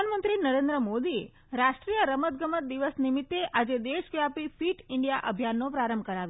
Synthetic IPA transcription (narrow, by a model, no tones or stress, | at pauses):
anmənt̪ɾinəɾend̪ɾəmod̪ie | ɾaʃʈɾijəɾəmət̪̚ɡəmət̪̚d̪iʋəsnimit̪ːeʔad͡ʒed̪eʃkjapifiʈɪɳɖijaʔəbʱjanːopɾaɾəmbʱəkəɾaʋjo